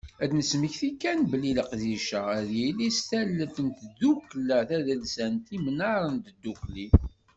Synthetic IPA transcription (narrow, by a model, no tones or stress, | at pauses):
æd̪nəsməçθikːænbəliləqðiʃəæðjilist̪ælːəθənt̪d̪ːuklæθæðəlsænt̪imənɑɾˤənt̪əd̪ːukli